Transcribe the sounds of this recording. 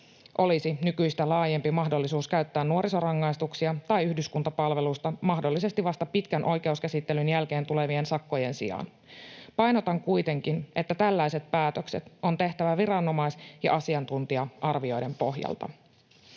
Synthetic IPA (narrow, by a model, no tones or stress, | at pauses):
ʔo̞lisinykyjst̪ælɑːje̞mpimɑɦdo̞lːisuːskæɥt̪ːæːnːuo̞ɾiso̞rɑŋːɑjst̪uksiɑt̪ɑjyhdyskunt̪ɑpɑlʋe̞lust̪ɑmɑɦdo̞lːise̞st̪iʋɑst̪ɑpit̪kænʔo̞jk̟e̞uskæsit̪ːe̞lynjælk̟e̞ːnt̪ule̞ʋie̞nsɑkːo̞je̞nsḭɑ̰n | pɑjnot̪ɑŋkujt̪e̞ŋkinʔe̞t̪ːæt̪ælːæjset̪̚pæːt̪økse̞̰t̪o̞nt̪e̞ht̪æʋæʋirɑnːo̞mɑisjɑ̰ʔɑsiɑnt̪unt̪iɑʔɑrʋio̞jde̞mpo̞ɦjɑ̰lt̪ɑ̰